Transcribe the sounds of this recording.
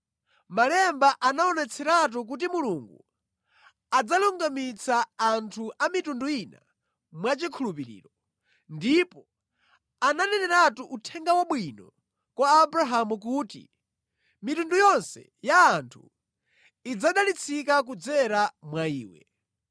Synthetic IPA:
malɛmbaʔanaɔnɛt͡sʰɛɾat̬uk̬ut̬imuluŋɡṵ | ad͡zaluŋɡamit͡saːntʰuʔamitunduina̰ | mwat͡ʃikʰulupiɾḭːɾɔ | ndipɔ | ananɛnɛɾatuʔutʰɛŋɡawaɓwinɔ̰ | kwaːbɾaɦamukutḭ | mitundujɔnsɛ̰jaːntʰṵ | id͡zaɗalit͡sʰikak̬ud͡zɛɾamwaiːwɛ̰

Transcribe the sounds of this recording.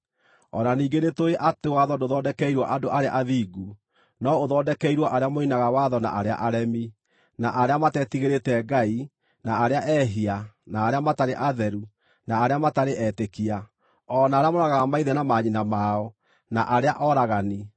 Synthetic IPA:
ɔ̰naniːɡenetoeʔatewaðɔdoðɔːdɛkɛiɾwɔʔadoʔaɾea̰ʔaðiːɡu | nɔoðɔːdɛkɛiɾwɔʔaɾeamoinaɣawaðɔna̰ʔaɾea̰ʔaɾɛmi | naʔaɾeamatɛtiɣeɾetɛɡai | naːɾeaʔɛɦianaːɾeamataɾeʔaðɛɾu | naːɾeamataɾeʔɛːtekia | ɔnaːɾeamoɾaɣaɣamaiðɛnamaɲinamaɔ | naʔaɾeaʔɔɾaɣani

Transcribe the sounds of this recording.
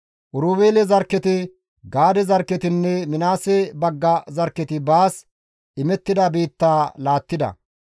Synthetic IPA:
ʔʊɾuːbeːlɛzɐɾkːɛt̪ɪ | ɡaːd̪ɛzɐɾkːɛt̪ɪnːɛmɪnaːsɛbɐɡːɐzɐɾkːɛt̪ɪbaːs | ʔɪmɛt̪ːɪd̪ɐbiːt̪ːaːlaːt̪ːɪd̪ɐ̰

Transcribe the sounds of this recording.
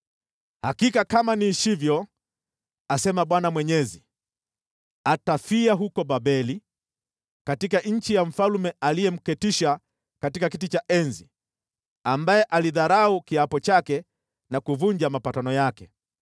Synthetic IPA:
hakikakamaniʃivjɔ | asɛmaɓwanamwɛɲɛzi | atafiaɦukɔɓaɓɛli | katikaɲ̩t͡ʃijam̩falumɛalijɛm̩kɛtiʃa | katikakitit͡ʃaʔɛnzi | ambajɛʔaliðaɾaukiapɔt͡ʃakɛ | nakuvuɲd͡ʒamapatanɔjakɛ

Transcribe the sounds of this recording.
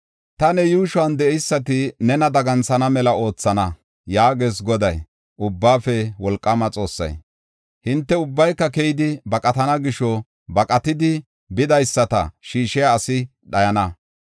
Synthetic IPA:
t̪ɐnɛjuːʃʊɐnd̪ɛɛjsːɐt̪ɪnɛnɐd̪ɐɡɐnt͡sɐnɐmɛlɐʔo̞ːt͡sːɐnɐ | jaːɡeːs̬ɡɔd̪ɐj | ʔʊbːaːfɛwɔlkʼːɐmɐt͡sʼo̞̰ːsːɐ̰j | hɪnt̪ːɛʊbːɐjkːɐkejɪd̪ɪbɐkʼɐt̪ɐnɐɡɪʃɔ | bɐkʼɐt̪ɪd̪ɪ | bɪd̪ɐjsːɐt̪ɐ̰ʃiːʃɪjaːsɪ | ɗɐjɐnɐ

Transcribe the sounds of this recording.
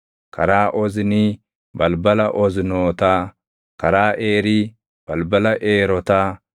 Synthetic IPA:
kɐ̰ɾaːʔɔzɪni | bɐlbɐlɐʔɔznoːt̪aː | kɐɾaːʔeːɾi | b̥ɐlbɐlɐʔeːɾɔt̪aː

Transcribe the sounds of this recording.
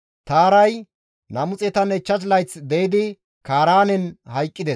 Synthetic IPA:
t̪aːɾɐj | nɐmʊt͡sʼɛt̪ɐnɛt͡ʃːɐs̬lɐjt͡sd̪ɛjɪd̪ɪ | kaːɾaːnɛnhɐjkʼːɪd̪ɛ

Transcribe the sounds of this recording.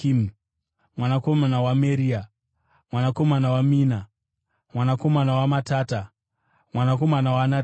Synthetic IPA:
im | mwanako̞manawameɾia | mwanako̞manawamiːna | mwanako̞manawamataːta | mwanako̞manawana

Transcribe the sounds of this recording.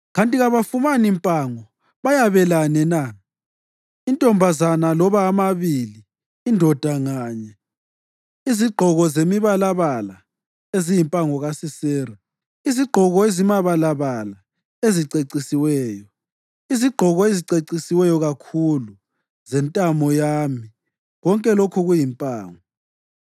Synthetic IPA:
ɣantʼiɣaβafumanimpʼaŋɔ | βajaβɛlanɛna | intʼɔmbʱazanalɔβaːmaβiliː | ndʱɔd̥ʱaŋaːɲɛ | iziɡ͡ǃʱɔɣɔzemiβalaβala̰ | ezijimpʼaŋɔɣasisɛːra | iziɡ͡ǃʱɔɣɔezimaβalaβala | eziǀeǀisiwɛːjɔ | iziɡ͡ǃʱɔɣɔeziǀeǀisiwɛjɔɣakʰulu | zɛntʼamɔjami | ɣɔŋkʼɛlokʰuɣujimpʼaːŋɔ

